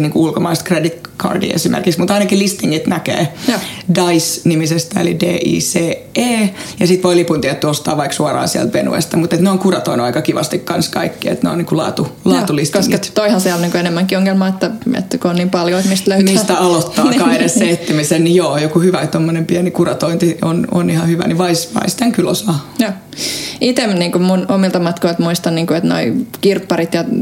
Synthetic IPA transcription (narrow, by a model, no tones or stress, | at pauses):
niːŋkuulkomɑist̪kredit̪kʰɑ̰rdḭḛsimʔḛrkiksmut̪ɑinɑkillist̪iŋːit̪nækḛːdɑisnimisest̪æḛlḭdḛːʔḭːseː | eːjɑsit̪ʋoilipunt̪iæet̪ːyost̪ɑ̰ːʋʋɑiksuɑrɑ̰ːnsiæ̰lt̪ʋenṵḛst̪ɑmut̪et̪neoiŋkurɑt̪o̰inuɑikɑkiʋɑ̰st̪ikkɑnskɑikːiḛt̪neo̰niːŋkulɑ̰ːt̪ulɑːt̪ulist̪koŋsːit̪t̪oihɑnsiælniːŋkoenemːæŋkioŋːelmɑːet̪ːæḛt̪ːkoonniːmpɑljoet̪mist̪løytmiːst̪æɑlot̪ːɑːkɑidesset̪ːimisennijoːjokuhyʋæt̪omːonempiænikurɑt̪oint̪iono̰nihɑhyʋæ̰niʋɑisʋɑ̰ist̪æŋkylosɑːjoː | it̪emniːŋkumunomilt̪ɑmɑt̪koilt̪muist̪ɑnniːŋkuet̪no̰ikirpːɑrit̪jɑ